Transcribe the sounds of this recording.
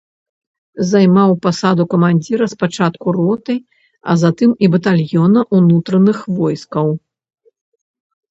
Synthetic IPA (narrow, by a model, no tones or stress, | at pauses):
zajmawpasad̪ukɐmanʲd͡zʲiɾɐspat͡ʂat̪kurɔt̪ɐj | ɐ̰zat̪ɨmibɐt̪alʲjɔnɐʔunut̪ɾɐnɨxvɔjskɐw